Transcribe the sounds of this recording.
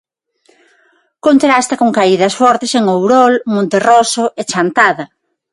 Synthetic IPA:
kont̪ɾast̪ɐkoŋkaiðɐsfɔɾt̪eseŋowɾɔlmõnt̪erɔsʊʔet͡ʃant̪aðɐ

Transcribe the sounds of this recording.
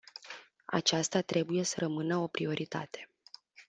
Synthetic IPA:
a̰t͡ʃast̪at̪ɾe̞buje̞səɾəmɨnəo̞pɾio̞ɾʔit̪a̰t̪e̞̥

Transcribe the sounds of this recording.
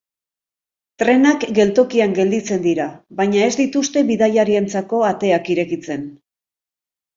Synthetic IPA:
t̪ɾe̞nakɡe̞lt̪o̞kiaŋɡe̞ld̪it͡se̞nd̪iɾaβajɲae̞zd̪it̪ust̪e̞βiðajaɾient͡sako̞at̪e̞akiɾe̞kit͡se̞n

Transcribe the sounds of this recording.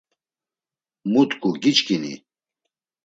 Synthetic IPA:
mut̪kʰʼuɡit͡ʃkinḭ

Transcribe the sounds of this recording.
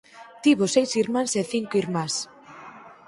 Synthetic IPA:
t̪iβosejsiɾmãnseθiŋkoiɾmas

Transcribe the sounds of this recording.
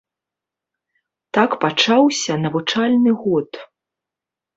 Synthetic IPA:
t̪akpat͡ʂawsʲɐnɐvut͡ʂalʲnɨɣɔt̪

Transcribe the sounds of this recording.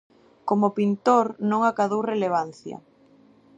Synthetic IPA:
komopint̪oɾnõŋakaðowreleβ̞anθjɐ̰

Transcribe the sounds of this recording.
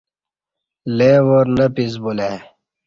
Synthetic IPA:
leːwoɾnəpiz̬bule

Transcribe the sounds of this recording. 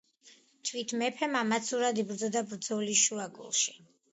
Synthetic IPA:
t̪ʰvit̪ʰmɛpʰɛmamat̪sʰuɾad̪ibɾd̪zɔd̪abɾd̪zɔliʃuaɡṵlˠʃi̥

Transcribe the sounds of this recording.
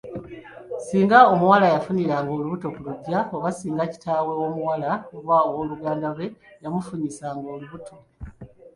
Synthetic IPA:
siːŋɡao̞muwalajafuniɾaːŋɡo̞ːluβuto̞kuluɟːaoβasiːŋɡaci̥taːwe̞wo̞muwalaoβaowo̞ːluɡaːndaβwe̞jamufuɲisaːŋɡo̞ːluβutʰo̞

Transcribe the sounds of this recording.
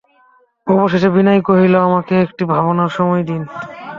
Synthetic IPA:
ɔboʃeʃebinajkoɦiloamakeekʈibʱaβonaɾʃɔmɔjd̪in

